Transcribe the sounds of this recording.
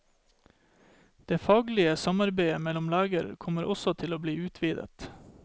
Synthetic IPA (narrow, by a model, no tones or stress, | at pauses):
d̪̥eːfɑːɡlɪəsɑmɑɾbeɪəmɛlʊmlæːɡəɾkʰɔməɾʔɔsɔt̪ʰɪloːbliːʉːt̪ʰʋiːd̪ə̰t̪